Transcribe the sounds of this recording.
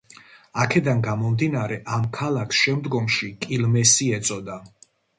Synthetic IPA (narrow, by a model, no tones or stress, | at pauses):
akʰɛd̪anɡamɔmd̪inaɾɛʔamkʰalakʰsʃɛmd̪ɡɔmʃikʼilmɛsiɛt̪sʼɔd̪a